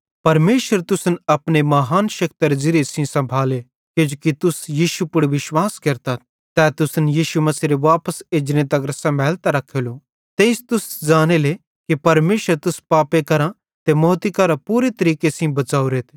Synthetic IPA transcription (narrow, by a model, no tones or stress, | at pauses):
pɐɾmeːʃəɾt̪ʊsnɐpnemɐɦaːnʃɐk̚t̪ɐɾd͡ʒɪɾesĩsɐ̃mbʱaːle | keːd͡ʒokit̪ʊsjiːʃupʊɽʋɪʃwaːskɐɾt̪at̪̚ | t̪ɛːt̪ʊsnjiːʃumɐsiːɾeʋaːpəseːd͡ʒnẽt̪ɐkɾsɐ̃bʱɛːlt̪aɾɐkʰːelo | t̪eːɪst̪ʊsd͡ʒaːnele | kipɐɾmeːʃəɾt̪ʊspaːpekɐɾã | t̪emoːt̪ikɐɾãpuːɾet̪ɐɾiːkesĩbɐt͡ʃaːuɾeːt̪ʰ